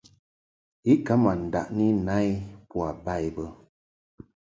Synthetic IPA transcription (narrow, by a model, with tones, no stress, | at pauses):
i˦ka˦ma˨n̩˨da̰˨ʔni˦na˦jpu˦a˨ba˦˨jbə˦